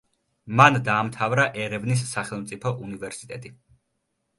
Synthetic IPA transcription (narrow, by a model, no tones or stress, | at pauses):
mand̪aːmt̪ʰavɾaʔɛɾɛvnis̬ːaχɛlˠmt̪sʼipʰɔʔunivɛɾsit̪ʼɛt̪ʼi